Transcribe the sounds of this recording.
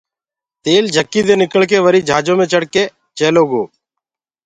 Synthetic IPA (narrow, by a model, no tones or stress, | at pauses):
t̪eːld͡ʒʱəkːiːd̪eːnɪkəɭkeːʋəɾiːd͡ʒʱaːd͡ʒõːmẽːt͡ʃəɽkeː | t͡ʃeːloːɡoː